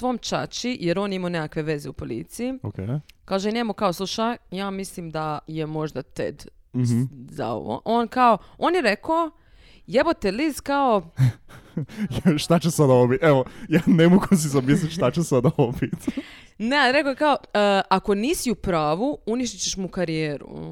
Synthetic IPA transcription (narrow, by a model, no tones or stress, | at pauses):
ʋo̞ːmt͡ʃa̰t͡ʃijeɾo̞ːnimanekakʋe̞ʋe̞zeupo̞lḭt̪siiokekaːʒeneːmukaoslˠuʃajaːmislimd̪aje̞mo̞ʒd̪at̪ḛd̪̩ | za̰o̰ʋo̰ʔoːnkaooːnjeɾekoo | je̞ʋo̞t̪elizkao̞ | jʃt̪at͡ɕesad̪aoobit̪eʋojaːnemoɡus̬izamis̬lit̪ʃt̪at͡ɕesad̪aoobit̪ | ne̞alɾe̞kojekaoako̞niːsiupɾaːʋuuniʃt̪it͡ɕeʃmukaɾijeːɾṵ